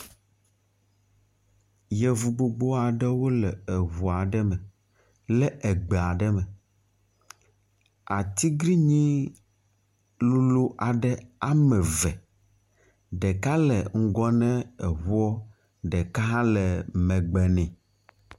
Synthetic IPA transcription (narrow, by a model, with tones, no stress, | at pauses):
jɛ˨vu˨ɡ͡bo˨ɡ͡bo˦a˨ɖɛ˦wo˦lɛ˨e˨ɦu˨a˨ɖɛ˦mɛ̃˨ | lɛ˦ʔɛ˨ɡ͡bɛ˨a˨ɖɛ˦mɛ˨ | a˨t̪i˦ɡɾi˦ɲĩ˦ | lu˦lu˦ʔa˨ɖɛ˦a˦mɛ̃˨vɛ˨ | ɖɛ˨ka˦lɛ˨ŋ̩˦ɡɔ˦nɛ̃˦ɛ˨ɦu˦ɔ˦ | ɖɛ˨ka˦ɦã˦lɛ˨mɛ̃˨ɡ͡bɛ˨nɛ̃˨